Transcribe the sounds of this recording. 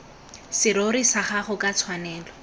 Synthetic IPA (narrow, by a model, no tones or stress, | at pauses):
sɪɾoɾisaχaχʊkʼat͡sʰwanɛːlɔ